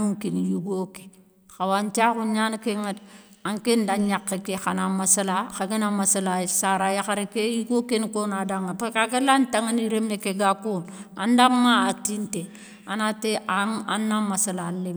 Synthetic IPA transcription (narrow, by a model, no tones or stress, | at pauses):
uŋkinjuɡoke̥ | xawant͡ʃakuɲankeŋedaŋkendaɲakːekexanamasalaxaɡenamasalasaɾajaxaɾekejiɡokenkonadaŋapekakelantaŋaniɾemekeɡakuna̰ndamaatinte | anateaa̰nːamasalali